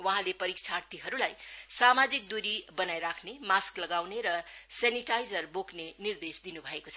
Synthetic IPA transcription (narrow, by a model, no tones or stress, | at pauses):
wʌɦãlepʌɾik̚t͡sʰart̪iɦʌɾulajsamad͡zik̚d̪uɾibʌnajɾakʰnemasklʌɡawneɾʌseniʈajd͡zʌrboknenird̪esd̪inubʱʌekot͡sʰʌ